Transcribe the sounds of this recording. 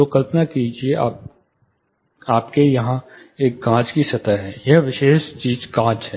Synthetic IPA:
okəlpnakid͡ʒieaːp̚ | aːpkejɐɦã | eːk̚ɡãːt͡ʃkisɐt̪əɦɛːjɐɦʋɪʃeːʃt͡ʃiːzɡãːt͡ʃɦɛː

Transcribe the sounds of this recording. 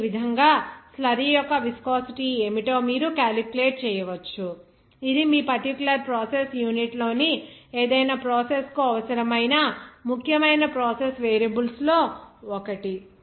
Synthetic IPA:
ʋid̪ʱɐŋɡaːslɐɾijɔkːɐʋiskoːsiʈieːmiʈo̞ːmiːɾukaːlipuleːʈ̚t͡ʃɛːjɐʋɐt͡ʃːu | id̪imiːpɐɾʈikulɐɾpɾoːsesjuːniʈlo̞ːnieːd̪ɐjnaːpɾoːseskuɐʋɐsɐɾɐmɐjnɐmukʰjɐmɐjnɐpɾoːsesʋeːɾjɐbulslo̞ːɔkɐʈi

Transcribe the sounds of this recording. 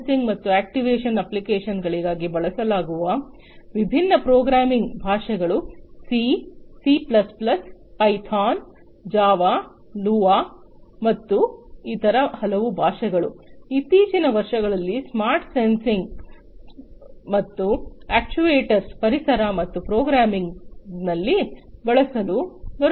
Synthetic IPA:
siŋɡmɐt̪ːuæːk̚ʈiʋeːʂɐnɐplikeːʂɐnɡɐɭiɡaːɡibɐɭɐsɐlaːɡuʋɐ | ʋibʱinːɐpɾoːɡɾaːmiŋɡbʱaːʂɛɡɐɭusisiːplɐsplɐspɐjt̪ʰaːn | d͡ʒaːʋaː | luːʋaː | mɐt̪ːuiːt̪ɐɾɐhɐlɐʋubʱaːʂɛɡɐɭuit̪ːiːt͡ʃinɐʋɐɾʂɐɡɐɭɐlːismaːɾʈsensiŋɡ | mɐt̪ːuaːk̚t͡ʃuʋeːʈɐɾspɐɾisɐɾɐmɐt̪ːupɾoːɡɾaːmiŋɡnɐlːibɛɭɐsɐluɡɐɾ

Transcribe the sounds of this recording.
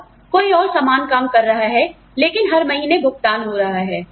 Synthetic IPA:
koːiɔːɾsaːmaːnkaːmkɐɾːɐɦaɦɛ | leːkɪnɦɐɾmɐɦiːnebʱʊɡt̪aːnɦoːɾɐɦaɦɛː

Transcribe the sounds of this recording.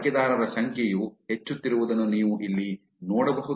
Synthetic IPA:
kjɐd̪aːɾɐɾɐɕɐŋkʰjejuhet͡ʃːut̪ːiɾuʋud̪ɐnːuniːʋuʔilːi | noːɽɐbɐɦu

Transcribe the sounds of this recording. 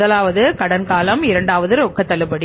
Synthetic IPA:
ðɐlaːʋɐðɯkɐɽɐnkaːlɐmɪɾɐɳɖaːʋɐðɯɾɔkːɐt̪ːɐɭɯpːɐɽi

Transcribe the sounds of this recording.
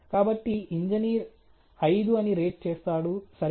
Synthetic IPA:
kaːbɐʈːiiɲd͡ʒɐniːɾ | ɐjd̪uɐniɾe̞ːʈ̚t͡ʃeːst̪aːɽusɐɾ

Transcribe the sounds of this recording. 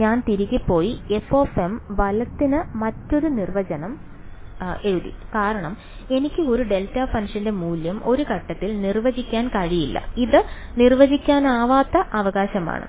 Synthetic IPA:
ɲaːnt̪iɾikʲːipːo̞ːjiefo̞ːfemʋɐlɐt̪ːinɨmɐtːo̞ɾunirʋɐt͡ɕɐnɐm | e̞ɻuðḭkaːɾɐɳɐm | e̞nikʲːɨo̞ɾuɖe̞ltaːfɐnʂɐnde̞muːljɐmo̞ɾukɐʈːɐt̪ːilnirʋɐd͡ʑikʲːaːnkɐɻijilːɐ̰iðɨ | nirʋɐd͡ʑikʲːaːnaːʋaːt̪ːɐʔɐʋɐɣaːɕɐma̰ːɳɨ̰

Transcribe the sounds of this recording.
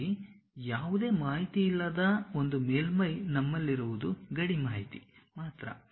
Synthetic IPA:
i | jaːʋud̪e̞ːmaːɦit̪iilːɐd̪ɐo̞nd̪umeːlmɐjnɐmːɐlːiɾuʋud̪uɡɐɽimaːɦit̪ḭmaːt̪ɾɐ̰

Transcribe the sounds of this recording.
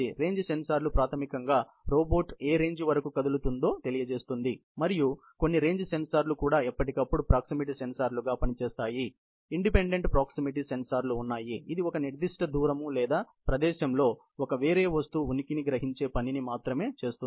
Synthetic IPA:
iɾe̞ːɲd͡ʒsensaːɾlupɾaːt̪ʰɐmikɐŋɡaː | ɾo̞ːbo̞ːʈeːɾe̞ːɲd͡ʒʋɐɾɐkukɐd̪ulut̪und̪o̞ːt̪e̞lijɐt͡ʃe̞ːst̪und̪imɐɾiju | ko̞nːiɾe̞ːɲd͡ʒsensaːɾlukuːɽaːɛpːɐʈikɐpːuɽupɾaːksimiʈ̬isensaːɾluɡaːpɐnit͡ʃɛːst̪aːji | iɳɖipe̞ɳɖe̞ɳʈpɾaːksimiʈ̬isensaːɾluːnːaːjiːd̪iɔkɐniɾd̪iʂʈɐd̪uːɾɐmulɛːd̪aː | pɾɐd̪ɛːʃɐmlo̞ː | ɔkɐʋeːɾe̞ːʋɐst̪uːunikiniɡɾɐɦiɲt͡ʃe̞ːpɐninimaːt̪ɾɐme̞ːt͡ʃe̞ːst̪uni

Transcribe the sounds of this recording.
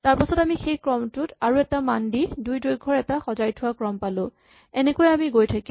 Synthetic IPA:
taɹpasɔtamixejkɹɔmtʊtaɹuɛtamandidujdojɡʱɔɹɛtaxɔzajtʰʊwakɹɔmpalʊ̃ | ɛnɛkojɛamiɡojtʰaki

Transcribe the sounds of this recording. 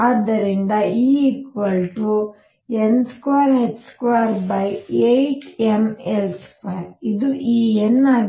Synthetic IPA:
aːd̪ːɐɾind̪ɐiːikʋɐlʈu | enskʋaːɾɦeʈskʋaːɾbɐjejt͡ʃemelspaːɾid̪uʔiːenːaː

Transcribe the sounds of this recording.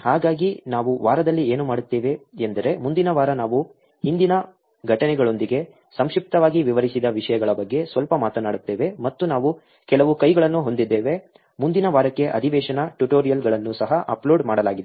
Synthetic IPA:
haːɡaːɡinaːʋuʋaːɾɐd̪ɐlːieːnumaːɽut̪ːeːʋe̞end̪ɐɾe̞mund̪inɐʋaːɾɐnaːʋu | hind̪inɐ | ɡʱɐʈɐnɛɡɐɭo̞nd̪iɡe̞ | sɐmʂip̚t̪ɐʋaːɡiʋiʋɐɾisid̪ɐʋiʂɐjɐɡɐɭɐbɐɡːe̞sʋɐlpɐmaːt̪ɐnaːɽut̪ːeːʋe̞mɐt̪ːunaːʋu | kɛlɐʋukɐjɡɐɭɐnːuɦo̞nd̪id̪ːeːʋe̞ | mund̪inɐʋaːɾɐkːe̞ʔɐ̰d̪ʱiʋɛːʂɐnɐʈuʈoːɾijɐlɡɐɭɐnːusɐɦɐʔɐ̰plo̞ːɖmaːɽɐlaːɡid̪

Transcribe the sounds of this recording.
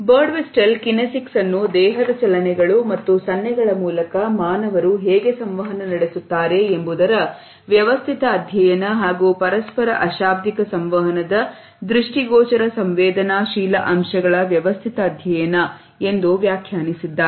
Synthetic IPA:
bɐːɾɖʋesʈɐlkinɐsiksɐnːud̪ɛːɦɐd̪ɐt͡ʃɐlɐnɛɡɐɭumɐt̪ːusɐnjɐɡɐɭɐmuːlɐkɐmaːnɐʋɐɾuɦɛːɡesɐmʋɐɦɐnɐnɐɽesut̪ːaːɾe̞embud̪ɐɾɐ | ʋjɐʋɐst̪ʰit̪ɐːd̪ʱjɐjɐnɐɦaːɡupɐɾɐspɐɾɐʔɐʃaːb̚d̪ikɐsɐmʋɐɦɐnɐd̪ɐ | d̪ɾiʂʈiɡɔːt͡ʃɐɾɐsɐmʋɛːd̪ɐnaːʃiːlɐʔɐmʃɐɡɐɭɐʋjɐʋɐst̪ʰit̪ɐːd̪ʱjɐjɐnɐ | e̞nd̪uʋjaːkʰjaːnisid̪ːa

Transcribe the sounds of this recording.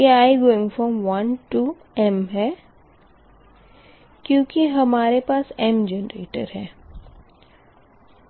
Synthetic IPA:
eaːjɡoːɪ̃ŋɡfɔːmʋɐnʈu | ɛmɦɛː | kjõːkiɦɐmaːɾepaːsɛmd͡ʒɛːnɾḛːʈə̰ɾɦɛː

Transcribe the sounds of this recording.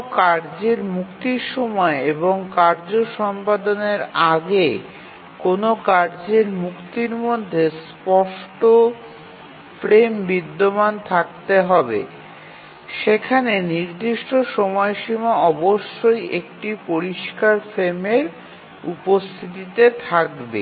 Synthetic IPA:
kaɾd͡ʑeɾmukt̪iɾʃɔmɔeeboŋkaɾd͡ʑoʃɔmpad̪oneɾaɡe | konokaɾd͡ʑeɾmukt̪iɾmod̪ʱːes | pɔʃʈo | fɾembid̪ːomant̪ʰak̚t̪eɦɔbḛ | ʃekʰaneniɾd̪iʃʈoʃɔmɔeʃimaɔboʃːojʔekʈipoɾiʃkaɾfɾemeɾ | ṵpost̪ʰit̪it̪et̪ʰakbḛ

